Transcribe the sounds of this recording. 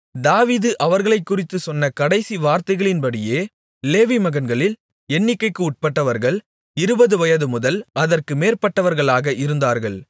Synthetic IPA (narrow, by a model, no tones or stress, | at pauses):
d̪aːʋiːðɯʔɐʋɐɾɣɐɭɐɪkːʊrɪt̪ːɯsɔnːɐkɐɽɐɪsiʋaːɾt̪ɐɪɣɐɭɪnbɐɽɪjeː | leːʋimɐɣɐnɡɐɭɪl | ɛnːɪkːɐɪkːɯʊʈ̚pɐʈːɐʋɐɾɣɐɭ | ɪɾɯbɐðɯʋɐjɐðɯmʊðɐlɐðɐrkɯmeːrpɐʈːɐʋɐɾɣɐɭaːɣɐʔɪɾɯnd̪aːɾɣɐ̰ɭ